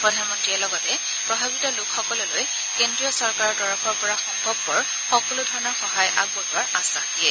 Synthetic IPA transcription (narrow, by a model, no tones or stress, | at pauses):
pɹɔdʱanmɔntɹiɛlɔɡɔtɛ | pɹɔbʱabitɔlʊkʰxɔkɔlɔloj | kendɹijɔsɔɹkaɹɔɹdɔɹɔkʰɔɹpɔɹaxɔŋbʱɔbːɔɹ | xɔkɔlʊdʱɔɹɔnɔɹxɔɦajʔa̰ɡ̚bɔlʊaɹastandiɛ